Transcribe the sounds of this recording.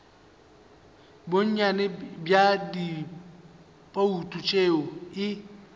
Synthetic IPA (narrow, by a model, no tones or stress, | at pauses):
boɲ̩ɲanɛbjadi | pʼoutʼut͡ʃʼeːɔɪ